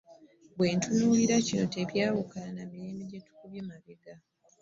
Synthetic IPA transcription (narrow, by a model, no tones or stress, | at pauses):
βweːntunuːliɾacino̞te̞βjaːwukalanamiɾeːmbiɟetu̥kuβjemaβeɡa